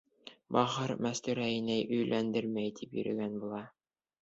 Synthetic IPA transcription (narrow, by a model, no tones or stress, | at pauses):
bɑʁɤɾmæst̪ɵ̆ɾæinæjʔɵ̆jlʔænd̪ɘɾmæjt̪ʰipjɵ̰̆ɾɘ̰̆ɡænbulˠɑ